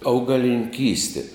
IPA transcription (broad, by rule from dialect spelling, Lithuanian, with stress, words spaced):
ɐʊɡɐlʲɪnʲɪŋʲˈkʲiːsʲtʲeː